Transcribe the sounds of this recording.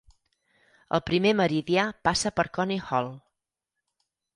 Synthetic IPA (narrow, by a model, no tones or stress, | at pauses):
ə̰lˠpɾimeməɾiðiapasəpəɾkɔnihɔlˠ